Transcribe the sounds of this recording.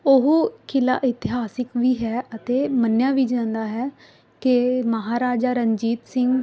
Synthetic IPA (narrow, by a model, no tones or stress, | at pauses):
oɦuːkʰɪla̰ːʔɪt̪ɪɦaːsɪkʋiːɦɛːʔət̪eːmənjaːʋiːd͡ʒãːnd̪aːɦɛː | kɪməɦaːɾaːd͡ʒaːɾəɲd͡ʒiːt̪sɪŋɡ